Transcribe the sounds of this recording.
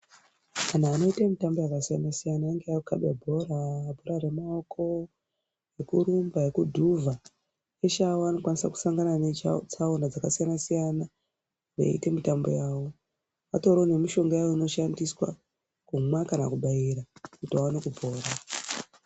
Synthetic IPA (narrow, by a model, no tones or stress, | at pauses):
an̤aːno̞itamitambo̞jakasijanasijanaːŋɡejaukaɓabʱo̞ɾabʱo̞ɾare̞maokʰo̞ | jekuɾumbaekudʱuvʱa | eʃaoano̞kwanisaku̥saŋɡananet͡saonad͡zakasijanasijana | rḛḭte̞mitambo̞̰jaːwo | ʋato̞ɾone̞miʃo̞ŋɡojaoino̞ʃandiswa̰ | kumwakanakuɓaiɾakutiawanekubʱo̞ːɾa